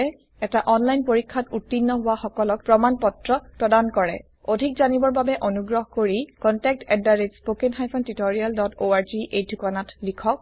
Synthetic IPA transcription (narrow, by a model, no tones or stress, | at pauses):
ɛ | ɛtaʔɔnlajnpoɹikʰːatutːinːɔɦʊwaxɔkɔlɔk̚pɹɔmanpɔtɹɔpɹɔdankɔɹɛ̰ | odʱikzanibɔɹbabɛʔonuɡɹɔɦkoɹikɔntɛk̚tʰɛdaɹetspokenxajpʰɔntitɔɹialdɔtoaɹziʔedʱukanatlikʰɔk̚